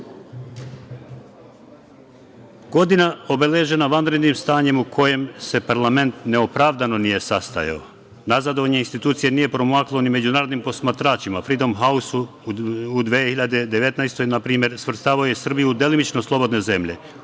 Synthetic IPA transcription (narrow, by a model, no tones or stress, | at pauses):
ɡo̞d̪inao̞be̞leʒe̞naʋanɾe̞d̪nimst̪aːɲe̞mukʰo̞je̞mse̞paɾlˠame̞nt̪ne̞o̞pɾaʋd̪ano̞nije̞sast̪a̰ja̰o̰ | nazad̪o̞ʋaɲeinst̪it̪uːt̪sije̞nije̞pɾo̞maklˠo̞nime̞d͡ʑunaːɾod̪nimpo̞smat̪ɾaːt͡ʃimafɾid̪o̞mɦausu | ud̪ʋehiʎad̪e̞d̪eʋe̞t̪najst̪o̞jnapɾiːmje̞ɾsʋr̩st̪aːʋaojesr̩bijuud̪elinit͡ʃnoslˠo̞bo̞d̪ne̞ze̞mʎe̞̰